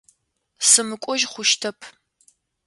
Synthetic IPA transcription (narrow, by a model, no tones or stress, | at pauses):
sɨmɨkʷʼɔʒχʷʊʃtʰɐpʰ